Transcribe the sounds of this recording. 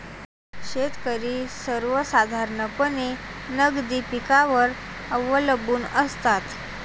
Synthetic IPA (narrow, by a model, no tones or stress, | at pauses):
ɕet̪kəɾiːsəɾʋəsad̪ʱaɾnəkəne | nəɡd̪iːpikaʋəɾ | əʋələbuːnəst̪at̪